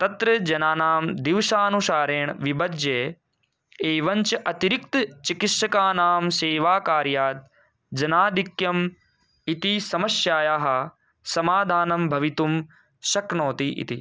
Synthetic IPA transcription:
t̪ɐt̪ɾɐd͡ʒɐnaːnaːmd̪iʋʃaːnusaːɾeːɳʋibɐd͡ʒjeː | eːʋɐɲt͡ʃɐʔɐt̪iɾik̚t̪t͡ʃikit̪ʃɐkaːnaːmseːʋaːkaːɾjaːt̪̚ | d͡ʒɐnaːd̪ʱikjɐm | it̪isɐmɐsjaːjaːɦɐ | sɐmaːd̪ʱaːnɐmbʱɐʋit̪um | ʃɐknoːt̪iʔḭt̪ḭ

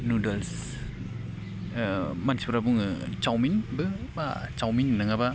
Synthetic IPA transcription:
nudels | mansi̥puɾabuŋt͡ʃawminbɯba̰t͡ʃawminnɯŋaba

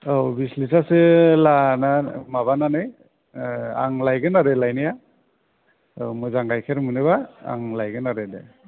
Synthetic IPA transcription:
awbislisʰasɯlanamaβananɯj | a̰ŋlajɡɯnaɾelajnija | mɔjzaŋɡajkʰeɾmɯnɯβaa̰ŋlajɡɯnaɾede

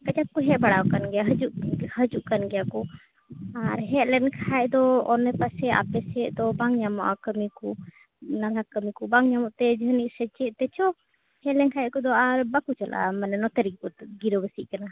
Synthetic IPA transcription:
kat͡ʃap̚kɔɦɛʔbaɽawkanɡɛjaɦəd͡ʒuʔhəd͡ʒuʔkanɡɛjakɔ | aɾɦɛʔlɛnkʰaɛʔd̪ɔɔnɛpasɛa̰pɛsɛʔd̪ɔbaŋɲamɔʔakəmiku | nad̪akəmikɔbaŋɲamɔʔt̪ɛd͡ʒəɦəniʔsɛt͡ʃɛʔt̪ɛt͡ʃɔ | hɛʔlɛnkʰaɛʔkɔd̪ɔaɾbakut͡ʃalʔa̰manɛnɔt̪ɛɾikɔɡiɾəbəsiʔkana

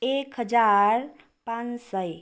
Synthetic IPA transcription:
ekɦəd͡ʒaɾ | pãnsəj

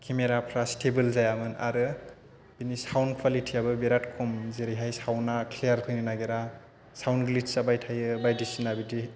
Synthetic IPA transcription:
kʰimeɾapʰɾastʰebɯlzajamɯna̰ɾɯ | b̥inisawnkʰwalitʰiabɯbeɾatkʰɔmzeɾiɦajsawnakʰlijaɾpʰɯjninaɡeɾa | sawnɡlit̚sabajtʰajɯbajdisinabidi

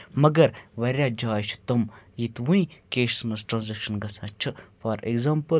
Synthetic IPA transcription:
mɐɡɐɾʋɐɾʲaːd͡ʒaːt͡ʃʰt̪ɐmjit̪ʋuĩkeːʃsmɐsʈɾɐːnzekʃɐnɡɐsãːt͡ʃʰɨfaːɾḛɡzampə

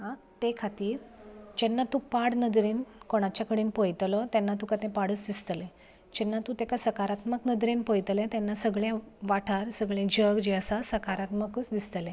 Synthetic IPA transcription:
ɦãt̪ekʰat̪iːɾd͡ʑɛnːat̪upaɽnəd̪ɾiːnkoɽ̃at͡ɕjakəɽiːnpojt̪lət̪ɛnːat̪ukat̪ɛ̃paɽuːsd̪ist̪əle | d͡ʑɛnːat̪ũt̪ɛkasəkaɾat̪məknəd̪ʱɾenpojt̪əlɛ̃t̪ɛnːasəɡɭjãʋaʈʰaɾsəɡɭẽd͡ʑəɡd͡ʑeəsasəkaɾat̪məkusd̪ist̪əlẽ

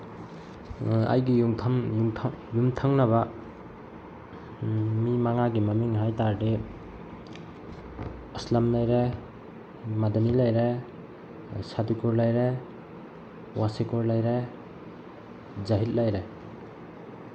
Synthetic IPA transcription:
a̰jɡijumtʰaŋjujumtʰaŋnaba | mimaŋaɡimamiŋɦajtaɾdi | islamlajɾe | madanilajɾe | sadikuɾlajɾe | wasekuɾlajɾe | zaɦil̚lajɾe

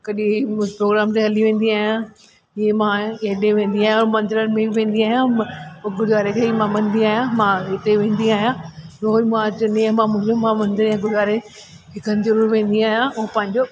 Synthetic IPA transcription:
kɐɗipɾoːɡɾaːmt̪eɦɐliʋẽːn̆d̪iaːɦijã | ɪɦemãeɦɗẽʋẽːn̆d̪iaːɦijãmɐ̃nd̪ɪɾənɪ̆mẽʋẽːn̆d̪iaːɦijãɡʊɽʋaːɾekʰeimãmɐ̃nd̪iaːɦjãmãɪt̪eʋẽːnd̪iaːɦijãɾoɦomãt͡ɕnemãmʊ̃ɦɪ̃ɲd͡ʑomãmɐ̃nd̪ɪɾjãɡʊɽʋaːɾe | ɦɪkʰənzɐɾuːɾʋẽːn̆d̪iaːɦijãpɐ̃ɦɪ̃ɲd͡ʑo

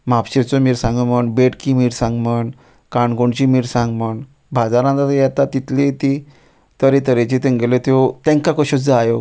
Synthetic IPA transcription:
mapɕet͡sɔmiːɾsãŋɡəməɳbeʈkimiːɾsãŋɡməɳ | kaɳɡoɳt͡ɕimiːɾsãŋɡməɳ | bʱad͡zaɾãnt̪at̪jɛt̪at̪ːit̪let̪i | t̪əɾẽt̪əɾet͡ɕit̪ẽŋɡelet̪ot̪ɛ̃ŋkakɔɕud͡zaːjo

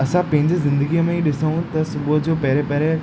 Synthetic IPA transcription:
ɐsãpɐ̃ɦɪ̃ɲd͡ʑizɪ̃nd̪əɡiəmẽiɗɪsəɦũt̪ɐsʊbʊd͡ʑoːpɛɦɾepɛɦɾe

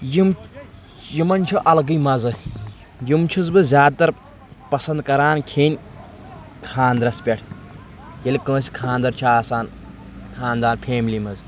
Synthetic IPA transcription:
jim | jimɐnʲt͡ʃʰuʔɐlɡɨjmɐzɨ | jumt͡ʃʰuzbɨzʲjaːd̪̚t̪ɐɾ | pɐsɐnd̪̚kɐɾaːnkʰeːnʲ | kʰaːnd̪ɾɐspʲeʈʰ | jelʲikə̃ːsi̥kʰaːnd̪ɐɾt͡ʃʰuaːsaːn | kʰaːnd̪aːnpʰeːmilimɐz

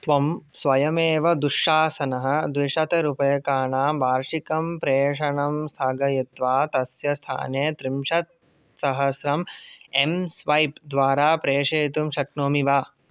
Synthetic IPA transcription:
t̪ʋɐmsʋɐjɐmeːʋɐd̪uʂːaːsɐnɐɦɐ̆d̪ʋiʂɐt̪ɐɾupɐjɐkaːɳaːbʱaːɾʂikɐmpɾeːʂɐɳɐmst̪ʰaːɡɐjit̪ʋaːt̪ɐsjɐst̪ʰa̰ːneːt̪ɾimʂɐt̪̚ | sɐɦɐsɾɐmemsʋɐjpd̪ʋaːɾaːpɾeːʂeːt̪umʃɐknoːmiʋaː

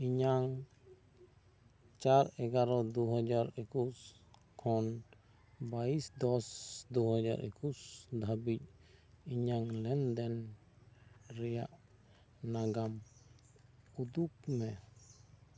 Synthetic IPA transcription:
iɲaŋ | t͡ʃaɾɛɡaɾɔd̪uɦɔd͡ʒaɾekus | kʰɔn | baisd̪ɔsd̪uɦɔd͡ʒa̰ɾʔḛkusd̪ʱabic̚iɲaŋlɛnd̪ɛn | ɾɛja̰ʔ | naɡam | ud̪uk̚mɛ

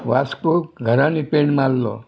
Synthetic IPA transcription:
ʋaskoɡʱəɾãnipeɳmallɔ̰

